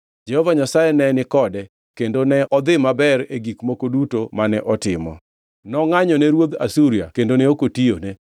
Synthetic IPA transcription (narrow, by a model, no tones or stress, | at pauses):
d͡ʒɛhɔvaɲasajɛnɛnɪkɔdɛ | kendonɛʔɔd̪ɪmabɛɾeɡikmokodutomanɛʔɔtɪmɔ̰ | nɔŋaɲɔnɛɾwod̪a̰suɾija̰kendonɛokotione